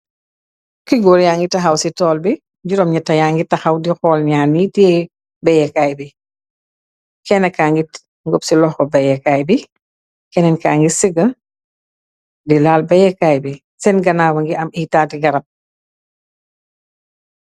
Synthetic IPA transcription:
kiɡɔɾjaːŋɡitɐxɐwsitɔːlbi | ɟuɾɔmɲɐtːɐjaːŋɡitɐxɐwdixɔːlɲaːnitiɛ | bɛjɛkaːjbi | kɛnɛkaːŋɡit | ŋɡɔpsilɔxkɔbɐjɛkaːjbi | kɛnɛnkaːŋɡisəɡɐ | dilaːlbɛjɛkaːjbi | sɛnɡɐnaːbɐŋɡiʔɐmitaːtiɡɐɾɐt̚

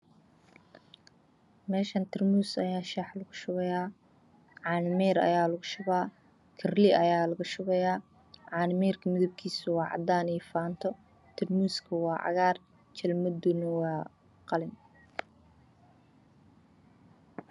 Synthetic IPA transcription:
mɛːʃɐnt̪ʰɪrmuːsɐjaːʃaːħlɐɣʊʃʊɣɛjaː | ʕɑːnɪmɛːɾɐ̰jaːlɐɣʊʃʊɣaː | kʰɪrlɪʔɐjaːlɐɣʊʃʊɣɛjaː | ʕɑːnɪmɛːrkʰɐmɪðʊb̚kʰiːsʊwɑːʕɑ̰d̪aːniːfaːnt̪ʰɔ | t̪ʰɪrmuːskʰɐwɑːʕɑ̰ɣaːr | t͡ʃʰɐlmɐd̪unɐwɑː | qɑlɪn

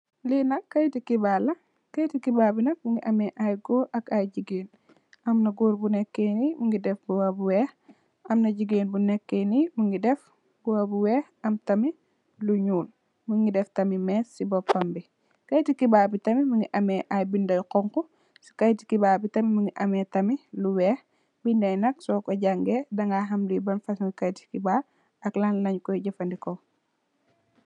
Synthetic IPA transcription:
linɐkːɐjtikibaːlɐ | kɐjtikibaːbinɐk̚muŋɡiʔɐmɛʔajɡɔːɾʔɐkajd͡ʒiɡeːn | ʔɐmnɐɡuːɾbunɛkːenimuŋɡidɛfbuwabuwɛːx | ɐmnɐɟiɡeːnbunɛkːenimuŋɡidɛf | buwabuwɛːxɐmtɐmi | luɲuːn | muŋɡidɛftɐmimɛːssibɔpːɐmbi | kɐjtikibaːbitɐmimuŋɡiʔɐmɛʔajbindɐjqɔŋku | si̥kɐjti̥kibaːbitɐmimuŋɡiʔɐmɛːtɐmiluwɛːh | bindɐjnɐksɔːkɔɟaŋɡɛdɐŋɡaɦɐmdijbɐnfɐsŋikɐjti̥kiba | ɐklanlɐɲkɔjɟɐfɐndikɔ

